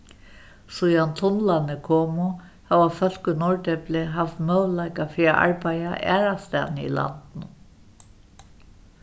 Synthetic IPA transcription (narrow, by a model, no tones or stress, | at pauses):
sujant̪ʰʊnlanɪkʰɔːmʊ | haːwafœl̥kʏnɔɹt̪ɛplɪɦaft̪mœwlajkafɪɾaʔa̰ɹpaja̰ʔɛ̰ːɾast̪a̰ːnɪḭla̰nt̪nʊ